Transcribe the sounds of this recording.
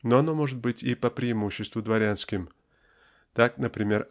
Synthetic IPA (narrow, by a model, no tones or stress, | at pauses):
noɐno̞mo̞ʐɨt̪̚bɨtʲɪpəpɾʲɪɪmuɕːɪst̪vʊd̪vɐɾʲanskʲɪm | t̪aknəpɾʲɪmʲe̞r